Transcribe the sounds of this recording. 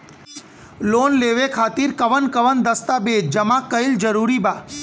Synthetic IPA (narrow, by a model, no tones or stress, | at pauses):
lonleʋekʰaːt̪iɾkəʋənkəʋənd̪əst̪abed͡ʒd͡ʒəmakːəild͡ʒəɾuɾiba